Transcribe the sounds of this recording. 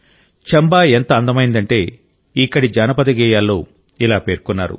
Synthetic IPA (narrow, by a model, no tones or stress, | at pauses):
t͡ʃɐmbaːent̪ɐːnd̪ɐmɐjind̪ɐɳʈe̞ː | ikːɐɽid͡ʒaːnɐpɐd̪ɐɡɛːjaːlːo̰ː | ilaːpe̞ːɾkunːaːɾṵ